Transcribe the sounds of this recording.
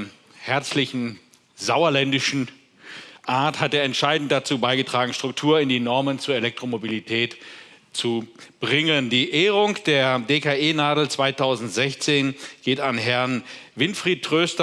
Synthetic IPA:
hɛɐt͡slɪçn̩ | zaʊɐlɛndɪʃn̩ | ʔaɐthatjaːɐɛntʃaɪdn̩t̚d̥at͡suːbaɪɡətʁ̥aːɡŋ̩ʃtʁ̥ʊk̚tʰuːɐɪndiːnɔɐmənt͡suːɐelɛk̚tʁ̥omobilitʰɛːt | t͡sub̥ʁɪŋəndiːʔeːʁʊŋkd̥eːɐdeːkaeːnaːdl̩t͡sv̥aɪtʰaʊzn̩tz̥ɛçt͡seːnɡ̥eːtanɦɛɐnvɪnfʁ̥iːt̚tʁ̥øːstɐ

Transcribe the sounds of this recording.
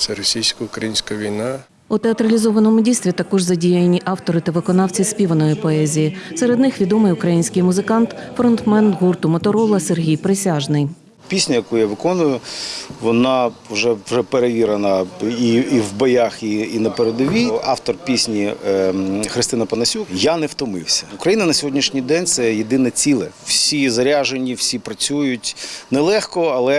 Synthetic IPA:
t̪sɛɾɔsʲijsʲkɐʊkɾɐjinʲsʲkɐʋʲijnɑ | ut̪eɐt̪ɾɐlʲizɔʋɐnɔmʊdʲijst̪ʋʲit̪ɐkɔʒzɐdʲijɐjnʲiʔɑwt̪ɔɾɪt̪ɐʋɪkɔnɑwt͡sʲisʲpʲiʋɐnɔjɪpɔɛzʲijiseɾed̪nɪxʋʲid̪ɔmɪjʊkɾɐjinʲsʲkɪjmʊzɪkɑnt̪fɾɔnt̪mɛnɣurt̪ʊmɐt̪ɔɾɔlˠɐserɦʲijpɾɪsʲaʒnɪj | pʲisʲnʲɐjɐkujaʋɪkɔnʊjʊʋɔnɑwʒɛwʒɛpeɾeʋʲiɾɐnɐiːwbɔjaxiːnɐpeɾed̪ɔʋʲiɑft̪ɔrpʲisʲnʲi | xɾɪst̪ɪnɐpɐnɐsʲukjanɛwt̪ɔmɪwsʲɐʊkɾɐjinɐnɐsʲɔɦɔdʲnʲiʃnʲijd̪ɛnʲt̪sɛjed̪ɪnɛt͡sʲilˠɛw̥sʲizɐɾʲaʒenʲːiwsʲipɾɐt͡sʲujʊtʲnɛlˠɛxkɔɐlˠɛ

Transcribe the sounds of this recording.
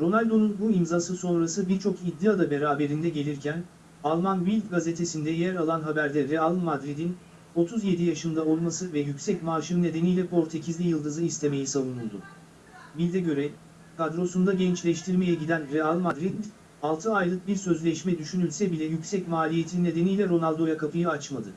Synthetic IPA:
ɾo̞nalʲd̪o̞nunbuimzaːsɯso̞nɾasɯbiɾt͡ʃʰo̞kid̪ːiad̪abe̞ɾaːbe̞ɾind̪ɛɟe̞lʲiɾcʰæn | alˠmanvilʲd̪ɡazet̪ʰe̞sind̪ɛjæɾalˠanɦabæɾd̪ɛɾɛalˠmad̪ɾid̪in | o̞t̪ʰuzje̞d̪ijaʃɯnd̪ao̞lˠmasɯvɛjycʲsɛcmaːʃɯnne̞d̪e̞nijlʲɛpʰo̞ɾt̪ʰe̞cʰizlʲijɯlˠd̪ɯzɯist̪ʰe̞me̞jisavunulˠd̪ʊ̰ | vilʲd̪ɛɟø̞ɾɛ | kʰad̪ɾo̞sund̪aɟɛnt͡ʃlʲɛʃt̪ʰiɾme̞jɛɟid̪ænɾɛalˠmad̪ɾid̪ | alˠt̪ʰɯajlˠɯk̚biɾsø̞zlʲɛʃmɛd̪yʃynylʲsɛbilʲɛjycsɛcmaːlʲije̞t̪ʰinned̪e̞nijlʲɛɾo̞nalʲˠd̪o̞jakʰapɯjɯat͡ʃmad̪ɯ

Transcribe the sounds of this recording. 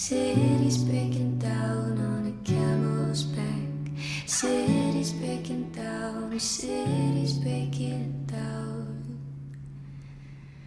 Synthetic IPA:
sɪɾizbeɪkɪ̃ndaʊnənɨkʰæməlzbæk | sɪɾizbeɪkɪ̃ndaʊnsɪɾizbeɪkʰɪ̃nd̥aʊn

